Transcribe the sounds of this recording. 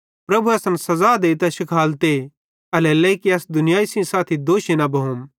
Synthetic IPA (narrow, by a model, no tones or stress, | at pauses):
pɾɐbʱuɐsɐnsɐzaːd̪eːt̪ɐʃɪkʰaːlt̪e | ɐlɛlɐikiɐsd̪ʊnɪjaːisĩsaːt̪ʰid̪oːʃinɐbɐɦom